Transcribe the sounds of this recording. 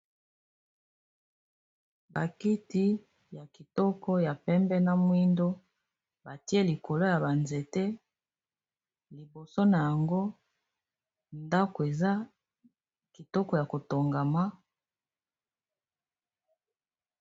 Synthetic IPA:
ba̰˨ki˦ti˦ | ja˨ki˨tɔ˦kɔ˦ja˨pɛ˦mbɛ˦na˦mwi˦ndo˦ | ba˨ti˦e˦li˨ko˨lo˦ja˨ba˨nze˨te˦ | li˨bo˨so˦na˨ja˨ŋɡo˦ | nda˦ko˨e˨za˦ | ki˨tɔ˦kɔ˦ja˨ko˨to˨ŋɡa˨ma˦

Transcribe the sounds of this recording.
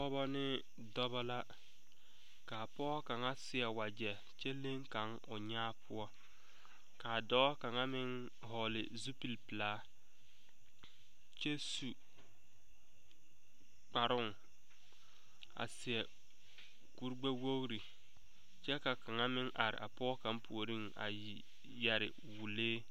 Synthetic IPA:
ɔ˦bɔ˦nɪ˦ | dɔ˦βɔ˦la˦ | ka˨pɔ˦ka˨ŋa˦sɪ˨ɛ˨wa˨d͡ʒɛ˨ | t͡ʃɛ˦le˦ŋka˨˦ŋ | ʊ˨ɲaː˦pʰʊ˦ɔ˦ | ka˨dɔː˦ka˨ŋa˦mɪ˦ŋ | hɔ˨lɪ̰˨zu˦pi˨lpɪ˨laː˦ | t͡ʃɛ˦su˨ | k͡pa˨ɾʊ˦˨ŋ | a̰˨sɪ˨ɛ˨ | ku˦ɾɡ͡be˦wo˦ɣɾi˨ | t͡ʃɛ˦ka˨ka˨ŋa˦mɪ˦ŋʔa˨ɾɪ̰˨ʔa̰˨pɔ˦ka˦mpʰu˨o˨ɾi˦ŋ | a̰˨ji˨ | jɛ˨ɾɪ̰˨ | wu˨leː˦

